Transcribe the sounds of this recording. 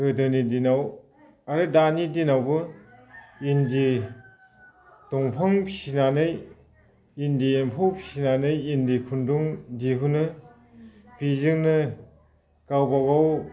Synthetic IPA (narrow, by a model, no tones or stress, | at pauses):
ɯdɯnidinaw | aɾɯdanidinawbɯ | indi | tɔŋpʰaŋpʰi̥sinanɯj | indiempʰɔwpʰi̥sinanɯjindikʰunduŋdiɦunɯ | pizɯŋnɯ | kawbawaw